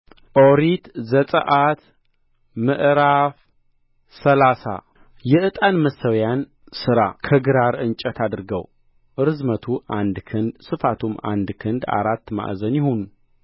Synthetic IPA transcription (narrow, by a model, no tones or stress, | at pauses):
ʔoɾit̪zət̪ʼə̰ʔat̪ | mɨʔɾaf | səlasa̰ | jɛʔɨt̪ʼanməsːəwjan | sɨɾa̰kʰəɡɨɾaɾɨnt͡ʃʼɛt̪ʰad̪ɾɨɡəw | ʔɨɾɨzmət̪ʰuʔand̪kʰɨnd̪sɨfat̪ʰuma̰nd̪kʰɨnd̪a̰ɾat̪ːma̰ʔzənjɪhonu